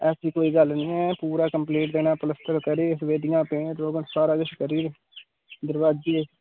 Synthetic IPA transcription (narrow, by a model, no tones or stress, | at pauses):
ɛːsiːkoːiːɡəlnĩːɛ̃ːpuːɾaːkəmpleːʈd̪eːnãːpələst̪əɾkəɾiːɪsʋeːɖɪjãːpẽːʈɾoːɡənsaːɾaːɡɪʃkəɾiː | d̪əɾʋaːd͡ʒiːe